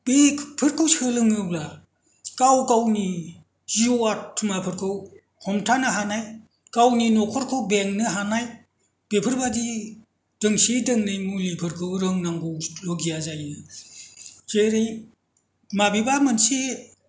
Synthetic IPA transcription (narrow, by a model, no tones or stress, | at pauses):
bepʰɯɾkʰɯwsɯlɯŋɯbla | kawkawni | z̥ioattʰːumapʰɯɾkʰɯw | hɔmtʰanɯɦanaj | kawninɔkʰɔɾkʰɯwbeŋnɯɦanaj | b̥epʰɯɾbadi | d̥ɯŋsidɯŋnɯjmulipʰɯɾkʰɯwɾɯŋnaŋɡowloɡijazajnɯ | zeɾej | mabibamansi